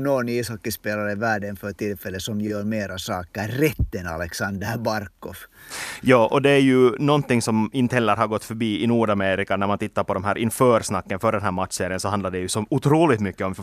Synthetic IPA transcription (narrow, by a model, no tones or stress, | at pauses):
nɔniːshɔkːəspeːlaɾəvæːɖənfœɾt̪ɪlfɛlːəsɔmjøːɾmeːɾasɑːkæːɛt̪ːɛnɑ̰lɛksɑnd̪æɾbɑɾkːɔʋ | jɑːʔɔd̪ɛæɾjɵnɔnt̪ɪŋsɔmɪnt̪əhɛlːəɾɦaɾɡɔt̪ːfœɾbiːɪnuːɖameːɾɪkanæɾmant̪ʰɪt̪ːaɾpɔd̪ɔmɦæːɾʔɪnfœːɾsnɑkːənfœɖɛnɦæːɾmat̪seːɾɪənsɔhand̪laɖɛjʉsɔʊt̪ʰɾuːlɪt̪mʏkːəɔm